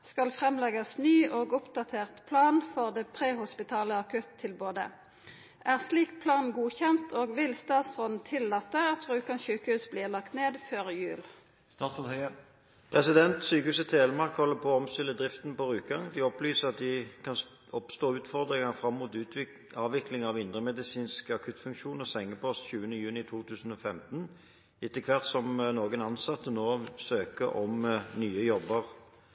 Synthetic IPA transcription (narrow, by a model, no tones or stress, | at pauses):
skɑlfʁɛmlɛɡɑsnyːʔoːɡʊpd̪ɑt̪ʰeːʁt̪pʰlɑːnfɔʁd̪eːpʰʁeːhʊspɪt̪ʰɑːləɑkʉt̪ʰːɪlboːd̪ə̰ | ʔæːʁsliːk̚pʰlɑːnnɡuːçɛnt̪ʰoːɡʋɪlst̪ɑːt̪sʁɔnn̩t̪ʰɪlːɑːt̪ːəɑt̪ʰʁʉːkɑnçʉːkəhʉːsbliːʁlɑkt̪neːd̪føːʁjʉːl | ɑhœ | pʰʁɛsɪd̪ɛnt̪syːkəhʉːsət̪ʰeːləmɑʁkhɔlːəpʰɔɔmst̪ɪlːəd̪ʁɪft̪npɔʁʉːt̪ɡɑŋd̪ɪɔplyːsəʁɑt̪̚d̪ɪkʰɑn | ɔpst̪oːʉːt̪fɔʁd̪ʁɪŋɑfɾɑmːuːt̪ʉːt̪ | ɑːʋɪklɪŋɑʋɪnd̪ʁəmɛd̪ɪsiːnskɑkʰʉt̪fʉŋkʃuːnɔsɛŋːəpʰɔst̪çʉːənəjʉːnɪt̪ʰuːt̪ʰʉːsn̩ɔfɛmt̪n | ɪt̪ːəkʰʋɑʁt̪sɔmnoːɡənɑnsɑt̪ːənoːsøːkəʔɔmnyːəjɔbəʁ